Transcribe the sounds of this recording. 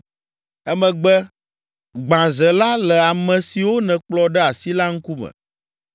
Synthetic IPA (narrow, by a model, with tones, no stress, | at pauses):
ɛ˦mɛ̃˨ɡ͡bɛ˦ | ɡ͡bã˨zɛ˨la˦lɛ˨a˨mɛ̃˨si˨wo˦nɛ̃˨k͡plɔ˦ɖɛ˦a˨si˦la˦ŋ̩˦ku˦mɛ̰̃˨